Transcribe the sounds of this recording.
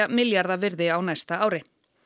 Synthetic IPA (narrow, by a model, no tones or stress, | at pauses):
amɪljaɾðavɪɾðɪawnast̪aaːwɾɪ